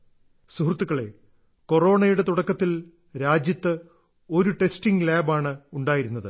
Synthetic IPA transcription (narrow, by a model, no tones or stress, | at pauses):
suhrt̪ːukːɐɭe̞ | ko̞ro̞ːɳɐjuɽe̞t̪uɽɐkːɐt̪ːil | ɾaːd͡ʑjɐt̪ːɨ | o̞ɾuʈe̞sʈiŋɡlaːbaːɳɨuɳɖaːjiɾunːɐðɨ